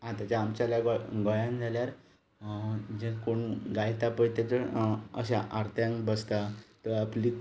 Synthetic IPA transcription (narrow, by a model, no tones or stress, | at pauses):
ɦãt̪at͡ɕaːmt͡ɕalaɡɡɔjãnd͡zʱaljaɾ | d͡ʑenkoɳɡajt̪apəjt̪jat͡ɕəə̰ɕaʔaɾt̪ʰjãŋkbəst̪at̪əapli